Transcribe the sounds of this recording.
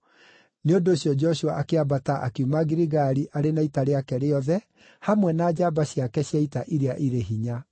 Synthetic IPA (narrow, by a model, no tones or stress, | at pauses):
neondoːɕjɔd͡ʒɔʃuaʔakeabataʔakumaɡiɾiɣaɾiʔaɾenaitaɾeakɛɾeɔðɛ | hamwɛnaːd͡ʑabaɕiakɛɕjaitaʔiɾeaʔiɾeɦiɲa